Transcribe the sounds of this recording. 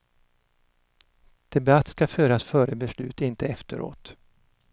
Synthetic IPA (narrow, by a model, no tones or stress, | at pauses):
d̪̥ɛbat̪ːskaføːɾasfœːɾəbɛslʉ̟ːt̪ɪnt̪əɛft̪əɾo̰ːt̪